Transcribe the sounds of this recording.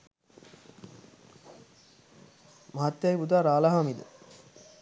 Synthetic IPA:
maɦɐt̪ːjajibud̪aːɾaːlaɦamid̪ṵ

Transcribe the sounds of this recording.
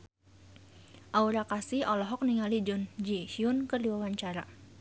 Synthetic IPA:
ʔauɾakasiɔlɔɦɔk̚niŋalid͡ʒʊnd͡ʒihiʊnkərdiwawaɲt͡ʃaɾa

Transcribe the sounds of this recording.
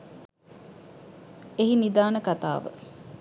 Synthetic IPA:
eɦinid̪aːnəkat̪a̰ːʋə̰

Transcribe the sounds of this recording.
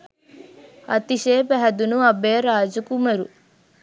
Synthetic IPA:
ɐ̰t̪iʃeːpæɦɐd̪unuɐbeːɐɾaːd͡ʒukumɐɾṵ

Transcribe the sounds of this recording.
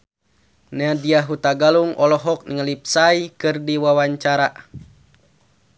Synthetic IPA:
nadiaɦut̪aɡaluŋʔɔlɔɦɔk̚niŋəlip̚saikɨrdiwawaɲt͡ʃaɾa

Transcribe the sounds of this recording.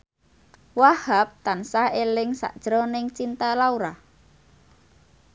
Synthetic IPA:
wahap̚t̪ansaelɪŋsa̰ʔd̥ʒ̥ɾɔnɪŋt͡ʃint̪alauɾa

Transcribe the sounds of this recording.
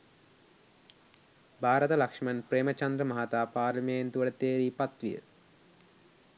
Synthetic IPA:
bʱaːɾɐt̪ɐlɐkʂɐmɐnpɾeːmɐt͡ʃɐnd̪ɾɐmɐɦat̪aːpaːɾlɐment̪uʋəʈɐt̪eːɾiːpɐt̪ʋijə̰

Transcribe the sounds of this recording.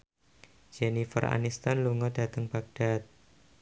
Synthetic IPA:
d͡ʒ̥enifə̰ra̰nist̪anluŋɔd̥a̤t̪əŋb̥aɡ̚d̥at̪̚

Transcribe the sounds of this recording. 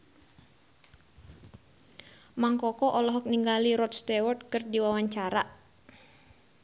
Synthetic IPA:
maŋkɔkɔʔɔlɔɦɔk̚niŋɡaliɾɔt̪̚st̪ɛwɔrt̪̚kɨrdiwawaɲt͡ʃaɾa

